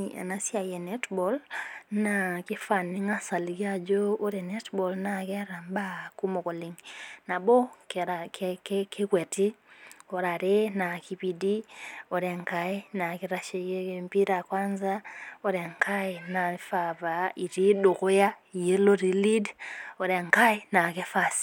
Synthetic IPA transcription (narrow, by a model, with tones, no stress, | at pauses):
a̰˨na˦si˦a˨je˨ne˦tbɔ˨lna˨ki˦fa˨ni˦ŋa˦sa˨liki˦a˨d͡ʒo˦o˦ɾe˨ne˦tbɔ˨lna˨kɛ˦ɾa˨mba˦ku˦mo˨ko˨li˨ŋna˨bɔ˦kakkke˦kwe˨ti˦ɔ˨ɾa˨ɾe˦na˨ki˨pi˨di˦ɔ˨ɾe˨ŋka˦i˦na˨ki˦ɾa˦ʃe˨je˦kempi˦ɾa˨kwa˦nzaɔ˦ɾɛ˨ŋkʰa˦ina˨i˦fa˨pa˨i˨ɾi˦do˨ko˦ja˦˨je˦lo˦ɾi˨li˦dɔ˨ɾɛ˨ŋka˦i˦na˨ke˦fasi̥